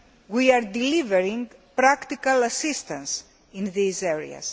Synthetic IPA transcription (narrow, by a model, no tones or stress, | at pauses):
wiaɾd̪iliveɾĩŋɡpɾakt̪ikɐlɐsist̪ɐ̃ns | ĩnðizeɹḭɐ̰s